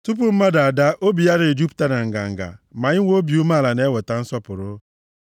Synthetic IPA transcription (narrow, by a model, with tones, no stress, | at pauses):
tu˦p̬ʊ˨m̩˦ma˦da˨a˨da˦ʔo˦bi˨ja˦ɾe˨d͡ʒu˦pta˦na˨ŋ̩˨ɡa̰˨ŋ̩˨ɡa̰˨ma˨ɲɪ˦ŋʷo˦bi˨u˦ma˦˨la˨ne˦wo˨ta˨˦n̩˦sɔ˦pʊ˨ɾʊ˦